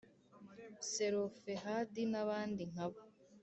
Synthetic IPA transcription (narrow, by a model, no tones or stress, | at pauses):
seɾofeɦadinaβaːndiŋ̥aβo